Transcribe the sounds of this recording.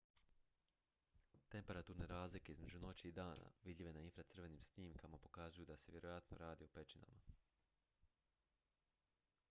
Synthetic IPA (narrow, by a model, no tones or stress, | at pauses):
t̪e̞mpe̞ɾat̪uːɾne̞ɾaːzlikeizme̞d͡ʒuno̞t͡ɕiːd̪aːna̰ʋid̪ʎʲiʋe̞nainfɾat̪srʋe̞nimsniːmkamapo̞kazujud̪aseʋje̞ɾo̞jat̪no̰ɾaːd̪iope̞t͡ʃina̰ma